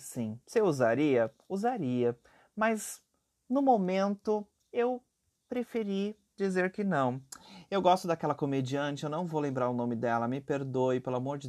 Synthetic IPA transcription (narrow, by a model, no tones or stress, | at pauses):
sĩsɪewuzaɾiɐ | uzaɾiɐ | mɐz | nʊmomẽnt̪ʊ | ew | pɾefeɾi | d͡ʒizeɾkɪnɐ̃w̃ewɡɔst̪ʊd̪akɛlɐkomed͡ʒiɐ̃t͡ʃɪewnɐ̃w̃vowlẽmbɾaɾʊnõmɪd̪ɛlɐmɪpeɾd̪oɪpelʊamoɾd͡ʒɪ